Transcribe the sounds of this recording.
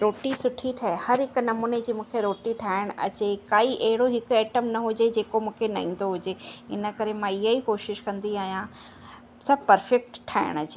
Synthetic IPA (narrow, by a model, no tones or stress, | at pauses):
ɾoːʈisʊʈʰiʈʰaehɐɾɦɪknɐmuːned͡ʑiːmũːkʰeɾoːʈiʈʰaːɪɽ̃ɐ̰t͡ɕekaːiʔɐɦɪɽoɦɪkʊɛːʈəmnɐɦʊd͡ʑed͡ʑeːkomũːkʰenɐ̰ɦĩːn̆d̪oɦʊd͡ʑeɪ̰nə̆kɐɾemãːɪɦəikoːʃɪʃkɐ̃nd̪iaːɦijã | sɐbʱpɐɾfɛk̚ʈʈʰːaːɪ̰ɽ̃ɐt͡ɕe